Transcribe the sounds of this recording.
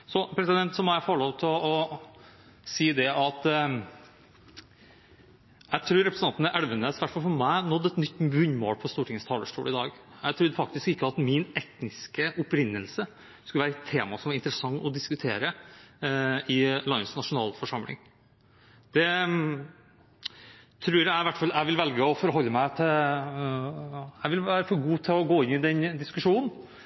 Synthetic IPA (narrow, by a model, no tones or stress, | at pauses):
sɔpʰɾɛsɪd̪ɛnt̪sɔmæɪfɔɭoːʋt̪ʰɪlɔ | siːd̪ɛʔɑt̪ | æt̪ʰɾʉːɾɛpɾsɑnt̪ənəʔɛlʋənəsʋæʈfɑlfɔɾmæɪnɔt̪ːɛt̪nʏt̪ːbʉnːmoːlpʰɔst̪uːʈʰɪŋəst̪ʰɑːləʂʈṵːlɪd̪ɑːɡjæɪt̪ʰɾʉːd̪fɑk̚t̪ɪskɪkːəɑt̪mɪnɛt̪nɪskəʔʊpɾɪnːəlsə | skʉləʋæːɾɛt̪ʰːeːmɑsɔmʋɑɾɪnt̪əɾəsɑŋːɔd̪ɪskʉt̪ʰeːɾə | ɪlɑnsnɑʂʊnɑ̰ːlfɔʂɑmlɪ̰ŋ | d̪̥ɛ | t̪ʰɾʉːɾæɪʋæʈːfɑlæɪʋɪlʋɛlɡəɔfɔɾɦɔlːəmæɪt̪ʰɪl | æʋɪlʋæːɾəfɔɾɡuːt̪ʰɪlɔɡoːɪnːɪd̪ɛnd̪ɪskʉʂuːnn̩